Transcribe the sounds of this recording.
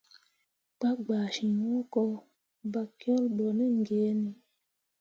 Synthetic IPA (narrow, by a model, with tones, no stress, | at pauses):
k͡pa˦ɡ͡ba˨ʃi˨mɔ˦kɔ˧ | ba˨kjɔ˦lɓɔ˨nɛ˦ŋ˨ɡe˨˦ni˨